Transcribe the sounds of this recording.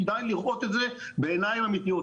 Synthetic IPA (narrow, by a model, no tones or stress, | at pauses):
d̪ajliʁo̞t̪et̪ze | beːnajimamit̪io